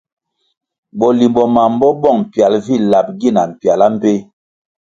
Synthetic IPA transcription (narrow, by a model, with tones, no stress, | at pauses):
bɔ˨li˨mbɔ˨ma˨m̩˦bɔ˦bɔ˦ŋm̩˨pja˨lvi˦˨la˨p̚ɡi˦˨na˨m̩˨pja˨la˦m̩˦pe˦